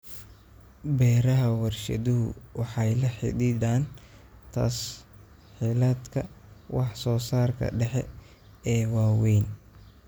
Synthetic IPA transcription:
bɛːɾɐɦɐwɐrʃɐ̰ðʊɦʊ̰wɑħɑjlɐħɪ̰didaːnt̪ʰa̰ːs | ħɪlɐd̪kʰɐwɑħsɔːsaːrkʰɐ̰ɖɛħɛ | ɛːwaːwɛjn

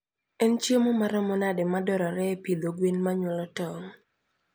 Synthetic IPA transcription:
ɛnt͡ʃemomaɾɔmɔnadɛmadɔɾɔɾɛpid̪oɡwinmaɲwɔlɔtɔŋ

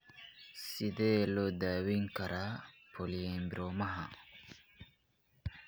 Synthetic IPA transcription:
sɪðɛːlɔːd̪aːwiŋkɐɾʔaːpʰɔliɛmbɪɾɔːmɐɦɐ̰

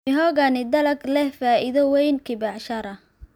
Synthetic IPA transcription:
ɪɦɔɣɐnɪd̪ɐlɐɡlɛhfaːʔɪðɐwɛjnkʰɪbɑʕʃɐɾɐ

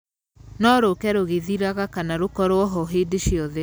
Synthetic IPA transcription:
nɔɾokɛɾoɣeðiɾaɣakanaɾokɔɾwɔɦɔɦedeʃiɔðe

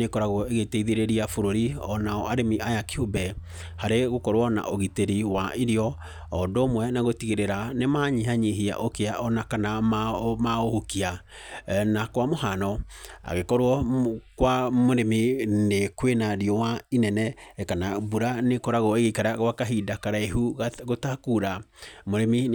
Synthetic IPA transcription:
nekɔɾaɣoeɣeteiðeɾeɾiafoɾoɾiɔnaɔaɾemiajakeobɛ | haɾeɣokɔɾwɔna̰ʔoɣiteɾiwaiɾiɔ | ɔdomwɛnaɣotiɣeɾeɾanemaɲiɦaɲeɦia̰ʔokeaʔɔnakanamamaohokia | nakwamohanɔa̰ɣekɔɾwɔkwamoɾeminekwenaɾiɔwainɛnɛkanabuɾanekɔɾaɣoeɣekaɾaɣwakaɦidakaɾaeɦuɣotakuːɾamoɾemi

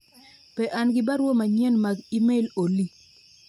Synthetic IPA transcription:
pɛʔanɡɪbaɾwomaɲɛnmaɡimeloli

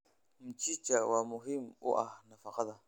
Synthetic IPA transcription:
m̩t͡ʃit͡ʃawamuɦimṵʔa̰nafaqɑða

